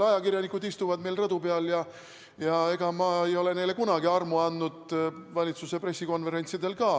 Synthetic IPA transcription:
ɑjɑkirjɑnikud̪ist̪uvɑd̪me̞jlrɤd̪̥upeɑljɑ | jɑe̞ɡ̥ɑmɑːejo̞le̞ne̞jle̞kunɑɡiɑrmuɑnd̪ːud̪̥vɑlʲit̪suse̞pre̞sːiko̞nve̞ɾe̞nt̪sid̪e̞lkɑː

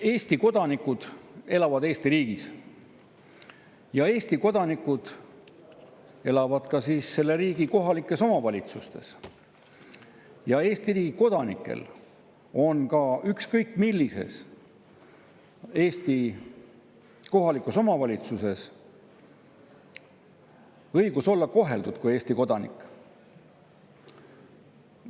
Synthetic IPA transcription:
e̞ːst̪iko̞d̪̥ɑnikːˑud̪̥e̞lɑvɑd̪eːst̪iɾiːɡ̥is | jɑe̞ːsʲt̪iko̞d̪̥ɑnikːud̪̥ | e̞lɑvɑd̪̥kɑsiːsːe̞lːe̞ɾiːɡiko̞ɦɑlikːˑe̞so̞mɑvɑlʲit̪sust̪e̞̰s | jɑe̞ːst̪iriːɡiko̞d̪̥ɑnḭkːˑḛl | o̞nkɑykskɤjkːˑmilːise̞̰s | e̞ːst̪i | ko̞ɦɑlikˑuso̞mɑvɑlʲit̪suse̞s | ɤjɡ̥uso̞lːɑko̞ɦe̞ld̪ud̪̥kuje̞ːsʲt̪iko̞d̪ɑnḭkːˑ

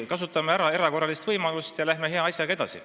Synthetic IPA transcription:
kɑs̬ut̪ːˑɑmeæɾɑe̞ɾɑko̞rɑlist̪v̥ɤjmɑlust̪jɑlæhme̞ɦe̞ɑɑsʲjɑɡ̥ɑe̞d̪̥ɑ̰sḭ

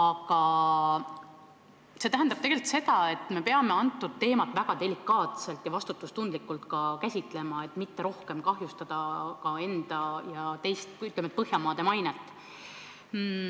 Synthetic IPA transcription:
ɑɡɑ | se̞t̪æɦænd̪̥ɑb̥̚t̪eɡ̥e̞lit̪se̞d̪̥ɑe̞t̪ːˑme̞pe̞ɑme̞ɑnt̪ːˑud̪̥̚t̪e̞ːmɑt̪ːˑvæɡ̥ɑd̪e̞likːˑɑːt̪se̞lt̪jɑvɑst̪ut̪ːˑust̪und̪̥likːˑult̪kɑkæsʲit̪ˑle̞mɑe̞t̪ːmit̪ːe̞ɾo̞hke̞mkɑhjust̪ɑd̪̥ɑkɑe̞nd̪̥ɑjɑt̪ejst̪yt̪lemet̪̚pɤɦjɑmɑːd̪e̞mɑjnet̪ːˑ

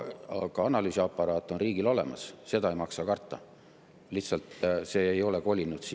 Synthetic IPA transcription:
kɑɑnɑlyːsʲiɑpːˑɑɾɑːt̪ːˑo̞nriːɡ̥ilo̞le̞̰mɑ̰sse̞d̪ɑejmɑksɑkɑrt̪ːˑɑ | liht̪sɑlt̪se̞ːjo̞leko̞lʲinːud̪̥s

